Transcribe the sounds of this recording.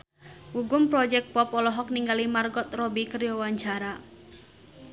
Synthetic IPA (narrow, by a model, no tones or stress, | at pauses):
ʔuɡʊmpɾɔd͡ʒɛk̚pɔpɔlɔɦɔk̚niŋɡalimarɡɔt̪rɔbikərjɔwaɲt͡ʃaɾa